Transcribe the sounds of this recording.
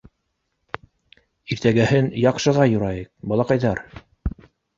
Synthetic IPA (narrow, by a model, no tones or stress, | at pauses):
iɾt̪æɡæhɘnjɑqʃɤ̆ʁɑjŭɾɑjɤq̚bɑlˠɑqɑjðɑɾ